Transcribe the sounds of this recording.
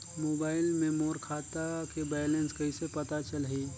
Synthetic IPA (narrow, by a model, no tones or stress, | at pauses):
moːbaːɪlmẽmoːɾkʰaːt̪akebɛːjlẽnskɐɦisepɐt̪at͡ʃəlɦiː